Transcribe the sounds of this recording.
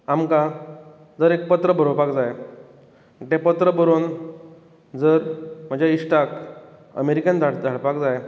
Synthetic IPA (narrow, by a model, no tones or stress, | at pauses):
amka | d͡zəɾek̚pət̪ɾəbʱəɾobakd͡zaj | ʈẽpət̪ɾəbəɾon | d͡zəɾm̤əɳd͡ʑjaiʂʈak | ə̰meɾikãnd͡zʱaɽd͡zʱaɽ̤pakd͡zaj